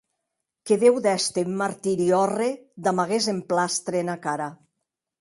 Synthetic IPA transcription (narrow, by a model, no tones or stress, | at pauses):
keðewðɛst̪emmːaɾt̪iɾiɔred̪amaɣezemplast̪ɾenakaɾa